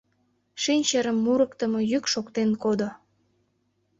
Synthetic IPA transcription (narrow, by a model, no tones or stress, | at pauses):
ʃinʲt͡ɕəɾəmːuɾəkt̪əmojykʃokt̪enkod̪o